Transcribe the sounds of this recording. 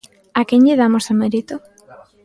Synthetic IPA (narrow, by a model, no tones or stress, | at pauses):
akeɲʎeðamosameɾit̪o